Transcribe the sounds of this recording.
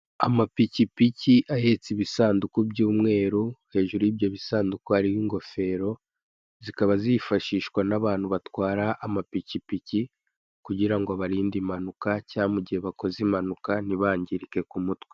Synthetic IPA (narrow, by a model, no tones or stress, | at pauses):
a̰mapicipiciʔaje̞t͡siβisaːndukubjɟuːmŋe̞ːɾuhe̞ːʒuɾuibjoβisaːndukuaɾiwiŋɡo̞fe̞ɾo̞ | zikaβazifaʃiːʃkwanaβaːn̥huβatwaːɾaʔːmapicipici | kuɟiɾaŋɡoβaɾiːndimanukacaːmuɟihe̞βako̞zimanukaniβaːɲɟiɾike̞kumutwe